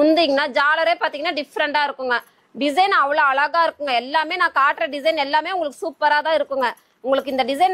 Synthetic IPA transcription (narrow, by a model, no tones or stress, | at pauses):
ʊnd̪iːŋɡɐnaːd͡ʒaːlɐɾeːpaːɾt̪iːŋɡɐnːaːɖɪfɾɐɳʈaːɪɾɯkːʊŋɡɐ | ɖɪs̬ɐɪnɐʋɐɭoːɐɭɐɣaːɪɾɯkːʊŋɡɐɛlːaːmeːnãːkaːʈːɾɐɖɪsɐɪnɛlːaːmeːʊŋɡɐɭɯkːɯsuːpːɐɾaːt̪ãːɪɾɯkːʊŋɡɐ | ʊŋɡɐɭɯkːɯɪnd̪ɐɖɪsɐɪn